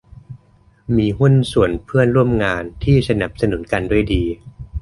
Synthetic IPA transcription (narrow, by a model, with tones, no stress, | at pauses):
miː˧ɦu˥˩nsu˨˩˦ənpʰɯ˥˩ənɾu˥˩əmŋaː˧nt̪ʰiː˥˩sa˧na˨˩p̚sa˧nu˨˩˦nka˧ndu˥˩əjdiː˧